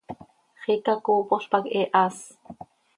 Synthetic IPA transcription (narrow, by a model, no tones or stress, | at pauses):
χikɑkoːpoɬpɑkʔɛʔɑːs